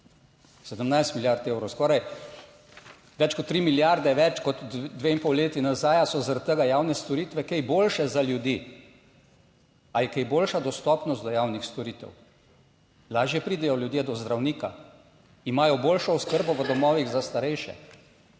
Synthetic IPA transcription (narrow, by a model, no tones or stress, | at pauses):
sɛd̪əmnajst̪miljaɾt̪eːwɾɔwskɔːɾaj | ʋɛt͡ʃkɔt̪ːɾiːmiljaɾd̪ɛʋɛt͡ʃkɔt̪d̪ʋeːimpowleːt̪inazaːjasɔzaɾat̪̚t̪əɡajaːwnɛst̪ɔɾiːt̪ʋɛkɛjboːlʃɛzaljud̪iː | ajɛkejboːlʃad̪ɔst̪ɔpnɔst̪d̪ɔjaːwnixst̪ɔɾiːt̪ɛ̰w | laːʒjɛpɾiːd̪ɛjɔljud̪jed̪ɔzd̪ɾawniːka | imaːjɔboːlʃɔʊskəɾbɔʋəd̪ɔmɔːʋiɣzast̪aɾɛjʃɛ̰